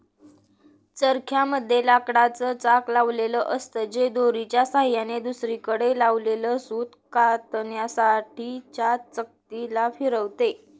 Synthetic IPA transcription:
t͡səɾkʰjaməd̪ʱːjelakɽat͡sət͡saklaʋleləʔəst̪əd͡ʑed̪oɾit͡ɕjasaɦjaned̪usɾikəɽelaʋleləsuːt̪kat̪njasaʈʰiːt͡ɕjat͡sək̚t̪ilafiɾəʋt̪e

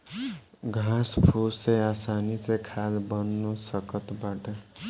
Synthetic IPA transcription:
ɡʱãspʰussẽjasanit͡sẽjkʰad̪bʌnːusʌkʌt̪baʈʌ

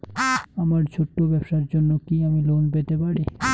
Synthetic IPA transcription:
amaɾt͡ɕʰoʈːobɛbʃaɾd͡ʑonːokiamilonpet̪epaɾi

